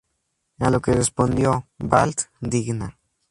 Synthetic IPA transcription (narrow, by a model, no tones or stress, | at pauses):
alokerespond̪jobalt̪d̪ikna